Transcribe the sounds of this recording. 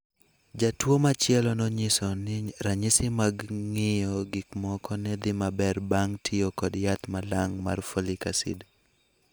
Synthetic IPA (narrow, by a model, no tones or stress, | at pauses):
d͡ʒatwomat͡ʃjɛlɔnɔɲɪsɔnɪɾaɲɪsɪmaɡŋɪjɔɡikmɔkɔnɛd̪ɪmabɛrbaŋtʰiokɔdjat̪malaŋmarfolɪkasɪ̰d